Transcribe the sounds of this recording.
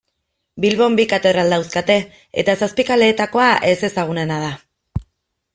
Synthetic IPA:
bilβo̞mbikat̪e̞ðɾald̪awskat̪e̞ | ḛt̪asaspikale̞ːt̪ako̞aʔe̞se̞saɣ̞une̞nað̞a

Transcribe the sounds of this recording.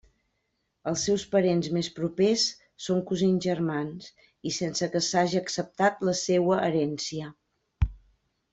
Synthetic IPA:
əlˠsːɛwspəɾenzmespɾupesː | oŋkuziɲʒərmans | isensəkəsaʒiəksəp̚t̪at̪ləsewəʔəɾɛnsiə

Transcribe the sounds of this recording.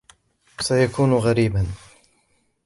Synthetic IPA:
sajakʰuːnɣaɾiːban

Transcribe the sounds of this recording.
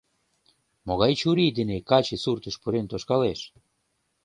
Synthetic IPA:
moɣajt͡ʃuɾid̪enekat͡ʃeθuɾt̪espuɾent̪oskales

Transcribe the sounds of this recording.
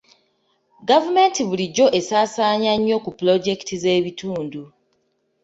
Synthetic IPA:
ɡavume̞ntiβuliɟːo̞ʔe̞saːsaːɲaɲːo̞kuplo̞ɟe̞kitize̞ːβitʰuːndu

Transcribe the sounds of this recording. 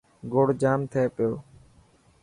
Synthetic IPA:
ɡoɽd͡ʒaːmt̪ʰeːpɪjoː

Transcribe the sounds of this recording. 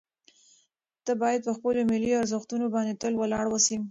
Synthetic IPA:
t̪əbɑjad̪̚pəxpəlomɪliaɾzəxt̪unobɑnd̪et̪əlwəlɑɽwəsim

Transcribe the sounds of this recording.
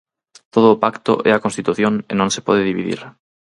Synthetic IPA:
t̪oð̞ʊːpakt̪ʊ̰ʔɛakõnst̪it̪uθjoŋḛnõŋse̥pɔð̞eðiβiðḭɾ

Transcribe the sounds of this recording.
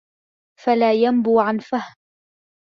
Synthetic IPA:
falaːjambuːʕanfahm

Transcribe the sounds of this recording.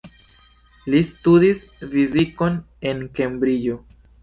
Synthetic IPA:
listudisfiziko̞n | e̞nke̞mbɾijo

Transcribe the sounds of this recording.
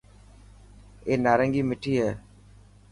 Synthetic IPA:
eːnaːɾəŋɡiːmɪʈʰiːɦɛː

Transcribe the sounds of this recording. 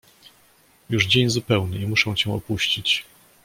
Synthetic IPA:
juʐd͡ʑeɲzupɛwnɘimuʂɛ̃w̃t͡ɕɛ̃w̃ɔpuɕt͡ɕit͡ɕ

